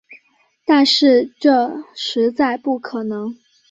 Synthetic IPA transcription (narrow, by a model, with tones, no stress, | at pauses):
t̪a˥˧nʂɻ̩˥˧ʈ͡ʂɤ˥˧ʂɻ̩˧˥t͡sa˥˧ɪpu˥˩kʰɤ˨˩nɤ˧˥ŋ